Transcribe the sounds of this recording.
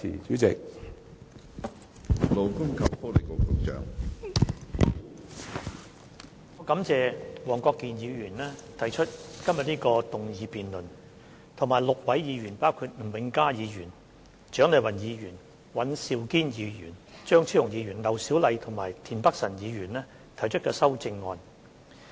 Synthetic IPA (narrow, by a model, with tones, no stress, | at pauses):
ḭː˨˩t͡ʃyː˨˥t͡sɪ̰˨k̚ | lo˨˧wkʊ˥ŋkʰɐ˨˩w̚fɔː˥le˨˩jkʊ˨˧t̪ʊ˨k̚t͡ʃœ̰ː˨˥ŋ | ŋɔː˨˧kɐ˨˧˥mt͡sɛː˨˧wɔː˨˩ŋkɔː˧kːiː˨njiː˨˧ɥyː˨˩nlɛː˥t̪ʰɐ˨˩jt͡ʃʰɵ˥t̚kɐ˥mjɐ˨t̚niː˥kɔː˧t̪ʊ˨ŋjiː˨˧piː˨nlɵ˨n | t̪ʰʊ˨˩ŋmaː˨˩jlʊ˨k̚wɐ˨˥jjiː˨˧ɥyː˨˩npaː˥wkʰuː˧t̚m̩˨˩wɪ˨˧ŋkaː˥jiː˨˧jyː˨˩n | t͡ʃœː˨˥ŋle˨˧jwɐ˨˩njiː˨˧jyː˨˩n | wɐ˨˥nsiː˨˧wkiː˥njiː˨˧jyː˨˩nt͡ʃœː˥ŋt͡sʰiː˥˩ʊ˨˩ŋjiː˨˧ɥyː˨˩nlɐ˨˩wsi˨˥wlɐ˨˧jt̪ʰʊ˨˩ŋmaː˨˩jt̪ʰiː˨˩npɐ˥k̚sɐ˨˩njiː˨˧jyː˨˩nlɛː˥ | t̪ʰɐ˨˩jt͡ʃʰɵ˥t̚kɔː˧sɐ˥wt͡sɪ˧ŋːɔ̰ː˧n